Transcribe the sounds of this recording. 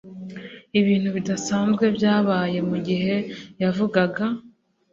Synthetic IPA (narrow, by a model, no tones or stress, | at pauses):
iβiːn̥huβidasaːnzɡwe̞bjaːβaːje̞muɟiɦe̞javuɡaɡa